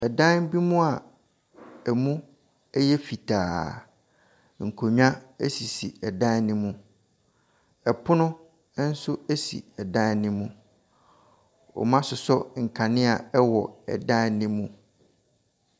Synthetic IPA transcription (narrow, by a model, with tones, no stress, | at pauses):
ɛ˨dã˦bi˦mũ˦a˨ | æ˨mũ˦ | ɛ˦jɛ˦fi˨tʰaː˨ | ŋ̩˨kʰo˨ɲᶣã˦æ˦si˨si˨ɛ˨dã˦nɪ̃˦mũ˦ | ɛ˨pʰʊ˦nʊ̃˦ | n̩˦sʊ˦æ˦sḭ˨ɛ˨dã˦nɪ̃˦mũ˦ | ɔ̰˨mã˦sʊ˨sɔ˦ŋ̩˨kʰa˨nɪ̃˦a˨ɛ˦wɔ˨ɛ̰˨dã˦nɪ̃˦mũ˦